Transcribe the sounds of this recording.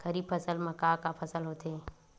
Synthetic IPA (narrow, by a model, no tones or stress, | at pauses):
kɐɾiːbpʰəsəlmɐkaːkapʰɐsəlɦoːt̪e